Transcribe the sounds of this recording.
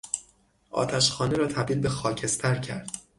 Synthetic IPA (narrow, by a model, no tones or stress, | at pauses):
ʔɒ̰ːt̪ʰæʃxɒːneɾɒːt̪ʰæb̚d̪iːlbe̞xɒːcʰe̞st̪ʰæɾcʰæɾd̪̥